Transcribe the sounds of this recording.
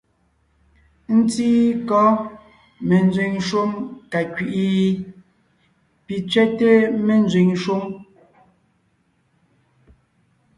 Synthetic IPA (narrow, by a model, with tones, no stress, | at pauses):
n̩˦ti˦kɔ˦ | me˨n˦d͡zwi˨ŋʃo˦mka˨kɥi˨ʔi˦ | pi˨t͡sɥɛ˦te˦me˨n˦d͡zwi˨ŋʃu˦m